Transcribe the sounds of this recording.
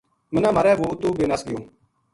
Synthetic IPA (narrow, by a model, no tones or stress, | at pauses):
mənãːmaːɾɛːʋoːt̪uːbeːnasɡɪjoː